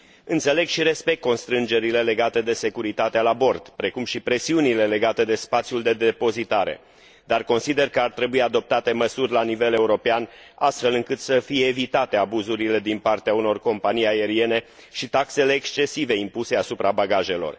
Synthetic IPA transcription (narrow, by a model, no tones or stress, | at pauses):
ɨnt̪sele̞ɡʃiɾe̞spek̚t̪̚ko̞nst̪ɾɨnd͡ʒe̞ɾile̞le̞ɡat̪e̞d̪e̞se̞kuɾit̪at̪ealabo̞rd̪̥pɾe̞kumʃipɾe̞siunile̞le̞ɡat̪e̞d̪e̞spat̪sijuld̪e̞d̪epo̞zit̪aɾe̞̰ | d̪arko̞nsid̪e̞rkəart̪ɾe̞buiad̪o̞p̚t̪at̪e̞məsurʲlanive̞le̞uɾo̞pean | ast̪fe̞lɨŋkɨt̪səfijeːvit̪at̪e̞abuzuɾile̞d̪inpart̪eauno̞rko̞mpanijae̞ɾie̞ne̞ | ʃit̪akse̞le̞ːkst͡ʃe̞sive̞impuse̞asupɾabaɡaʒe̞lo̞̰r